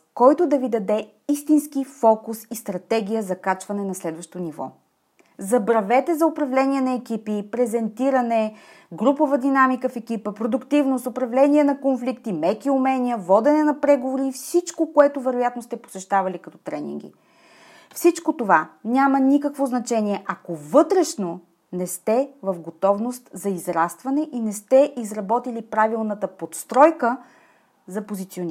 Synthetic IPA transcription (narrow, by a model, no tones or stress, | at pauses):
kɔjt̪od̪ɐvid̪ɐd̪ɛ | ist̪inskifɔkusist̪ɾɐt̪ɛɡ̟ʲijəzɐkat͡ʃvɐnɛnɐslɛd̪vɐʃt̪onivɔ̰ | zɐbɾɐvɛt̪ɛzɐʊpɾɐvlɛniɛnɐɛkʲipipɾɛzɛnt̪iɾɐnɛ | ɡɾupovəd̪inamikəfɛkipəpɾod̪ʊkt̪ivnost̪ʊpɾɐvlɛniɛnɐkonflikt̪imɛkiʊmɛnʲijəvɔd̪ɛnɛnɐpɾɛɡovoɾiːfsit͡ʃkokoɛt̪ovɛɾojat̪nost̪ɛpo̥sɛʃt̪avɐlikɐt̪ɔt̪ɾɛnḭŋɡʲḭ | fsit͡ʃkot̪ovanʲamɐnikəkvoznɐt͡ʃɛniɛʔakovɤt̪ɾɛʃno | nɛst̪ɛvɐfɡot̪ɔvnost̪zɐizɾast̪vɐnɛʔinɛst̪ɛʔizɾɐbɔt̪ilipɾavilˠnət̪əpot̪st̪ɾɔjkə | zɐpozit̪sion